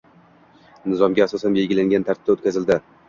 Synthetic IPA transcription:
nɪzɒmɡʲaːsɒsanbe̞lɡʲɪlaŋɡʲant̪ʰaɾt̪ɪp̚t̪aot̪̚kʲazɪld̪ɪ

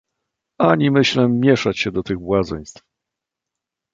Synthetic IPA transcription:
aɲimɘɕlɛːjɛʂat͡ɕɕɛd̪ɔt̪ɘɣbwazɛjst̪f

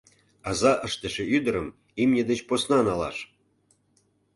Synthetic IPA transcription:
ɑzɑʔəʃt̪ə̆ʃĕyd̪ə̆ɾəm | imnʲĕd̪et͡ɕposnɑnɑlɑ̰ʃ

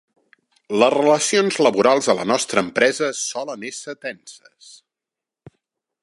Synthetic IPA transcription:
ləzrələsionzləβuɾalˠzðələ̰nɔst̪ɾəːmpɾɛzəsɔlənesət̪ɛnsəs

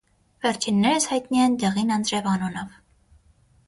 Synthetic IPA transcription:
vɛɾt͡ʃʰinːɛɾəshɑjt̪nijɛnd̪ɛʁinɑnd͡zɾɛvɑnunɔv

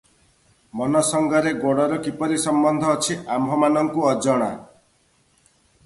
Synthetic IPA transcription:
mɔnɔsɔŋɡɔɾeɡoɽɔɾɔkipɔɾisɔmbɔnd̪ʱɔːt͡ʃʰiambʱɔmanɔŋkuɔd͡ʒɔɽ̃a̰

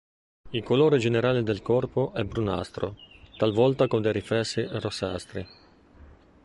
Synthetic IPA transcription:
ilkoloːɾed͡ʒeneɾaːled̪elkɔrpoʔɛbɾuna̰st̪ɾo̰t̪alvɔlt̪akond̪eɾifɾɛsːirosa̰st̪ɾi

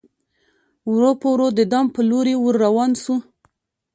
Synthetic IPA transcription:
wɾopəwɾod̪əd̪ɑmpəloɾewuɾːawɑnsu

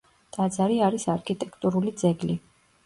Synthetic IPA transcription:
d̪̥ad̪zaɾiaɾisaɾkʰit̪ʼɛkʰt̪ʼuɾulid̪zɛɡli

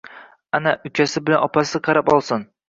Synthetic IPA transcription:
anaʔʊt͡ʃʰasɪbɪlanɒpʰasɪqʰɑɾapɒlˠsɪn

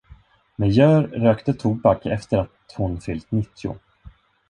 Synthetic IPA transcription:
mɛjœːɾɾøːkt̪ət̪ʰuːbakɛ̰ft̪əɾat̪hʊnfʏlt̪nɪt̪ʰːɪʊ̰

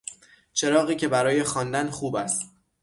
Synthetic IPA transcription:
t͡ʃʰe̞ɾɒːɣiːcʰe̞bæɾɒːje̞xɒːnd̪ænxuːbæst̪

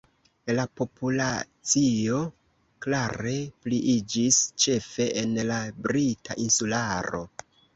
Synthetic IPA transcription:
lapo̞pula | t͡sio̞ | klaɾe̞pliʔid͡ʒist͡ʃe̞fe̞ʔenlabɾitʰa̰ʔinsulaɾo̞̰

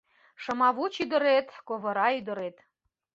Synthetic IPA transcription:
ʃə̆mɑβut͡ɕyd̪ə̆ɾet̪koβɤ̆ɾɑyd̪ə̆ɾet̪

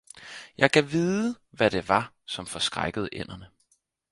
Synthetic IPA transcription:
jʔɑ̈ɪkʰæʋiːðˠə | ʋæɾ̥e̝ʋɑ̈ | sɒ̽mfɒ̽sɡ̥ʁaɡ̥əð̞̩ˠəʔen̰ɐnə

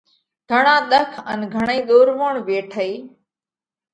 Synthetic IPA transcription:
ɡʱəɳãːɗ̪əkʰə̰nɡʱəɳ̃eiːɗ̪oːɾʋoːɳʋeːʈʰəiː

